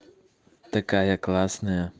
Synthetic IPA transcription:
t̪akaːjaklaːsnaa

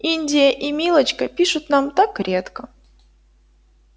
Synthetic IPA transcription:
inʲdʲɪjəʔimʲilˠət͡ɕkəpʲiʂʊt̪namt̪akɾʲe̞t̪kə

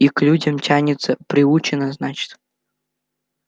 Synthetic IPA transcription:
iklʲudʲɐmtʲanʲɪt̪səpɾʲɪut͡ɕɪnəznat͡ɕɪ̥t̪

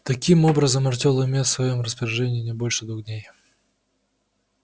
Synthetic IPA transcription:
t̪ɐkʲimobɾəzəmɐrt̪ʲolˠəmʲet̪svɐjo̞mrəspəɾʲɪʐɛnʲɪɪnʲɪbo̞lʲʂɨd̪vuɣd̪ʲnʲej

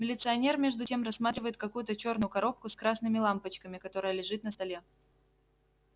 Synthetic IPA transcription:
mʲɪlʲɪt̪sɨɐnʲe̞rmʲe̞ʐd̪ʊtʲe̞mrɐsːmat̪ɾʲɪvəjɪt̪̚kɐkujʊt̪ət͡ɕo̞rnʊjʊkɐɾo̞p̚kʊskɾasnɨmʲɪlˠampət͡ɕkəmʲɪkɐt̪o̞ɾəjəlʲɪʐɨt̪nəst̪ɐlʲe̞

